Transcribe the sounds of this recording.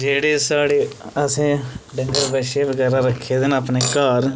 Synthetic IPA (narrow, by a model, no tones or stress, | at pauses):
d͡ʒeːɽeːsaːɽeːəsẽːɖəŋɡəɾbɛːʃeːbəɡɛːɾãːɾəkʰːeːd̪ɪnəːpneːkaːɾ